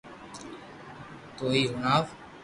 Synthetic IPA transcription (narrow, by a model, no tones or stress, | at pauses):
t̪oːiːɦʊnaːʋ